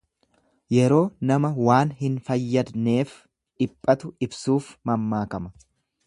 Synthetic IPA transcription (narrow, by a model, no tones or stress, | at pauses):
jɛɾo̞ːnɐmɐwaːnhɪnfɐjːɐd̪ne̞ːf | ᶑɪpʼːɐt̪ʊɪbsuːfmɐmːaːkɐmɐ